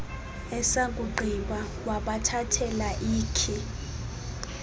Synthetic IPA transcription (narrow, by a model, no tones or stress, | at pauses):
ɛsakʼuɡ͡ǃʱiɓa | waɓatʰatʰɛlaʔiːkʰi